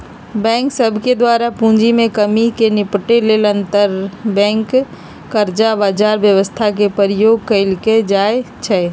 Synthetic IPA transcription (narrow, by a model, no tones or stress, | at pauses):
bɛ̃ːŋksəbʱked̪waːɾapũːɲd͡ʒimẽkəmikenɪpʈeleːlə̃nt̪əɾbɛ̃ːŋkː | əɾd͡ʒabaːd͡ʒaːɾʋjəʋəst̪ʰak̬epəɾjoːɡ̚kəɪlked͡ʒaːe | t͡ʃʰɛ